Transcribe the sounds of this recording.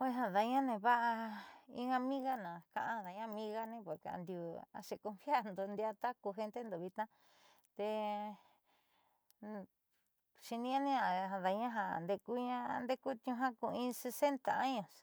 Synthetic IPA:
e˦˧ɦã˧ða˨˧ɲã˦nẽ˧βa˦ʔa˧ḭ̃˧ɡã˧mĩ˦ɣa˦nã˨kã˧ʔã˧ða˨˦ɲã˦mĩ˦ɣa˦nẽ˧po˨ɾke˧ã̰˧nd̪ju˧˨a̰˧ʃe˧ko˧mfja˦˨nd̪o˧nd̪ja˧t̪a˦ku˧ɦe˧nt̪e˦nd̪o˨βi˧t̪ã˦ | t̪e˧ | ʃi˧nĩ˦ã˦nĩ˦ã˨ða˨˧ɲã˦ɦa˧˨nd̪e˧ku˦ɲã˦nd̪e˦ku˦t̪ũ˧ɦã˦ku˧ĩ˧se˧se˦nt̪a˨a˦ɲõ˨s

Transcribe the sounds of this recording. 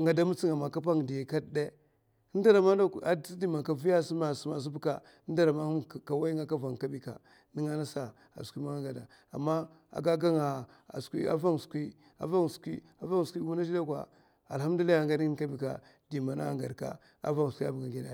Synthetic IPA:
ŋɡa˨da˦mu˦t͡si˦ŋa˨ma˨ka˦p̬a˦ŋ˨di˨jka˦dde˦ | nda˦ɾa˨ma˦da˦a˦˨˦di˦ma˨ka˨vi˦ja˦si˦ma˨sma˨s̬u˦bu˦ka̰˨˦ | n˦da˦ɾa˨ma˦˨ka˨wa˦ji˦ŋa˦ka˦va˨ŋ˨ka˦bi˨ka̰˨ | ni˦ŋa˦na˦sa˨ | a̰˨skʷi˦ma˦a˦ɡa˨da˨ | a̰˨mːa˦ | a̰˨ɡa˦ɡa˦ŋa˨ | a̰˨skʷḭ˦a̰˨va˦ŋ˨skʷi˦ | a̰˨va˦ŋ˨skʷi˦ | a˨va˦ŋ˨skʷi˦ɡu˦na˦d͡ʒi˦da˦kʷa̰˨ | a̰˨lha˦m˦du˦li˦a˦˨ŋɡa˦ni˦ka˦bi˨ka̰˨ | d̥i˨ma˨na̰˦ŋɡa̰˨ɾka̰˨ | a̰˦va˦ŋ˨sʷi˦a˦bŋa˨ɡe˨da˨

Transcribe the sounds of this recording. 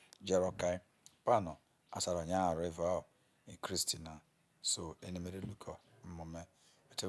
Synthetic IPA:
d͡ʒe˦ɾɔ˦ka˦ | pa˦nɔ˨ | a̰˨sa˨ɾɔ˨ɲa˦a˨ɾe˦va˦ʊ˨ | i˨kɾi˦sti˨na˨ | so˨e˦ne˦me˦ɾe˦lu˦kʰɔ˨m̩˦mʊ˨me˦ | e˨te˦

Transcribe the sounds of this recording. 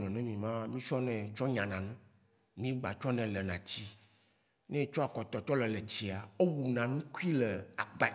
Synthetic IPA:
nɔ̃˨nɛ̃˦mĩ˨mã˦mĩ˦t͡ʃɔ˦nɛ̃˨t͡ʃɔ˦ɲã˨nã˨nũ˦ | mĩ˦ɡ͡ba˨t͡ʃɔ˦nɛ̃˨lɛ˨nã˨t͡ɕi˦ | nɛ̃˦t͡ʃɔ˦a˨kɔ˨t̪ɔ˨t͡ʃɔ˦lɛ˨lɛ˨t͡ɕi˨a˨o˦wu˨nã˨nũ˦ku˦i˦lɛ˨a˨ɡ͡ba˦

